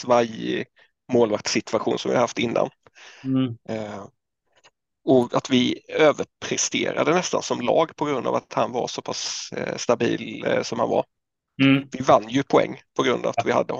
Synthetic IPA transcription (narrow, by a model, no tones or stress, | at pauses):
vaj | moːlvak̚t̪sɪt̪ʰvaɧuːnsɔmvɪ̰haɾhaft̪ɪnːa̰n | ɔat̪vɪøːvəɾpʰɾɛst̪ḛːɾa̰d̪ənɛst̪ansɔmlɑːɡpʰɔɡɾɵnd̪ɑ̰ːvat̪hanvaɾsɔpʰasst̪abiːlsɔmha̰nva̰ɾ | vɪvanːjɵpʰʊɛ̰ŋːpʰɔɡɾɵnd̪a̰vat̪vɪha̰d̪ːə